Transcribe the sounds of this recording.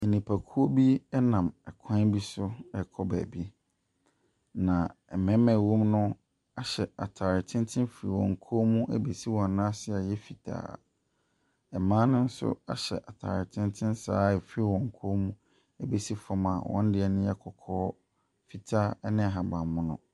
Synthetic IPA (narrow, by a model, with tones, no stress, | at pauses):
i˨nĩ˨pʰæ˨kʰu˦o˦bi˦ɛ˦nã˨mɛ˨kʰã˦n˦bi˦sʊ˦ɛ˨kʰɔ˦bæ̰ː˨bi˦ | nã˨ɛ˨mɛ̃˨˦mɛ̃˨wo˦mnʊ̃˦ | a˨ɕɛ˨a̰˨tʰaː˨ɾɪ˨tʰɪ̃˦ntʰɪ̃˦fɾḭ˨wɔ̃˨ŋ̩˨kʰo˦mũ˦ʔæ˦be˨si˦wɔ̃˨n˨nã˦sɪ˦a˨jɛ˦fi˨tʰa̰ː˨ | ɛ˨mãː˦nʊ̃˦n̩˦sʊ̰˦a̰˦ɕɛ̰˨ʔa˨tʰa̰ː˨ɾɪ˨tʰɪ̃˦ntʰɪ̃˦nsa̰ː˦ɛ˨fi˦wɔ̃˨ŋ˨kʰoː˦mũ˦ | æ˦be˨si˦fɔ˨ma̰˨wʔɔ̰̃˦n˦dɪ˨˦ɛ˦nʊ̃˦jɛ˦kʰɔ˨kʰɔː˦ | fi˨tʰaː˦nɪ̃˦˨ɦa˨bã˨mːʊ̃˦nʊ̰̃˨